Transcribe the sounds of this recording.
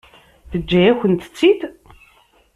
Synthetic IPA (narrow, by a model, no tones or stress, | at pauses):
θəd͡ʒːæjæçənt̪ə̥t͡sːid̪